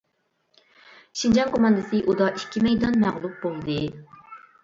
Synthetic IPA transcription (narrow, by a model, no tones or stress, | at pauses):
ʃind͡ʒɑŋkʰomɑnd̪ɨsɨʔud̪ɑʔikʲʰːimɛjd̪ɑnmæʁlˠup̚bolˠd̪ɨ